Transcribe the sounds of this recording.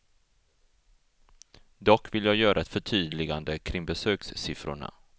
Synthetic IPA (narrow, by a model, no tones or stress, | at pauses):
d̪ɔkːvɪljɑːɡjœːɾʔaɛt̪fœʈʰyːd̪lɪɡand̪əkʰɾɪŋbɛsøːksːɪfɾʊ̰ɳa̰